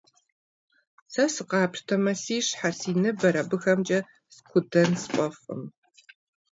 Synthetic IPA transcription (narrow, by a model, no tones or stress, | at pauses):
sɐsɨqɑːprtʰɐmɐsiːɕħarsiːnɨbɐɾɐbɨxɐmt͡ʃʼɐ | skʷʰʊdɐnspʷʼɐfʼɨ̰m